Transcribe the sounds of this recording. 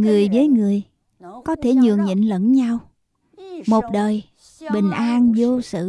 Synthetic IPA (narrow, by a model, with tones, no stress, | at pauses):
ŋɨ˨˩əjvəː˨˦jŋɨ˨˩əj | kɔ˨˦t̪ʰe˧˩ɲɨ˨˩əŋɲə̰˧˨nlə̰˧˥nɲa˧w | mo˨˩t̚ɗəː˨˩j | ɓï˨˩ŋ̟ʔaː˧nzo˧sɨ̰˧˨